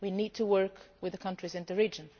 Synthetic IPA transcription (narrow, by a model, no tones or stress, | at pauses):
winid̚tʰəwɜ˞kwɨðəkʰʌ̃ntɹ̥izɨ̃nðɨɹid͡ʒə̃n